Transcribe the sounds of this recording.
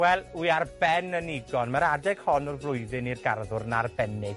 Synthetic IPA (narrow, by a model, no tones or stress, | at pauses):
wɛlˠuarbɛnəniɡɔnmaɾadɛɡ̥hɔnɔrvlˠʊɨjðɪnirɡarðʊrnarbɛnɪɡ